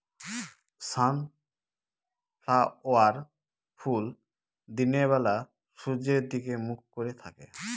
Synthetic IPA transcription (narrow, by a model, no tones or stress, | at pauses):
san | pʰlaoaɾ | pʰul | d̪ineβɛla | ʃud͡ʑeɾd̪ikemukkoɾet̪ʰakḛ